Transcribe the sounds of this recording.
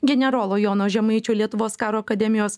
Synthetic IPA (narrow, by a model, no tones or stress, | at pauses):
ɡʲɛnʲɛɾoːlˠoːjoːnoːʒʲɛmɐɪt͡ʃʲuːlʲiɛt̪ʊʋoːskɑːɾoːɐkɐd̪ʲɛmʲɪjoːs